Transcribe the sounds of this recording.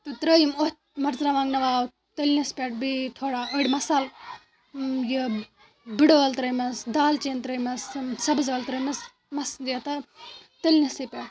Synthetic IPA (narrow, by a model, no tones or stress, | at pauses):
t̪ɨt̪ɾəjimot̪ʲ | mɐɾzɾaʋãːŋɡnɐʋaːw | t̪əlʲnʲɐspʲeʈ̚bit̪ʰoːɽaːəɽʲmɐsal | ji | biɽolt̪ɾəjmɐsd̪aːlt͡ʃeːnt̪ɾəjmɐssɐbzəːlt̪ɾəjmɐs | mɐsd̪jet̪ɐt̪əlʲnɐsipʲeʈ